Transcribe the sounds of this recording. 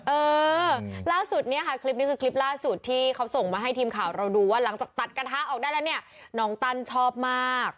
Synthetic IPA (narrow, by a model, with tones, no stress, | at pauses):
ʔɤː˧ | laː˥˩su˨˩t̪̚ni˦˥ɐkʰa˦˥˩kʰli˦˥p̚n˦˥kʰɯː˧kʰli˦˥p̚laː˥˩su˨˩t̪ʰːiː˥˩kʰa˦˥wso˨˩ŋmaː˧˩ɦa˥˩jt̪ʰiː˧mkʰaː˨˩˦wɾa˧wduː˧waː˥˩la˩˦ŋt͡ɕaː˨˩k̚t̪a˨˩t̪̚kɾa˧t̪ʰaː˦˥ʔɔː˨˩k̚daː˥˩jlɛ˦˥ni˥˩ɐ | nɔː˦˥ŋt̪a˥˩nt͡ɕʰɔː˥˩p̚maː˥˩k̚